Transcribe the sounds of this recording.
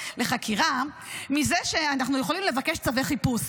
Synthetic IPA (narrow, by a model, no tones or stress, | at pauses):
le̞χakʰiʁa | mizeʃe̞anaχnuje̞χolimle̞vake̞ʃt͡saveχipus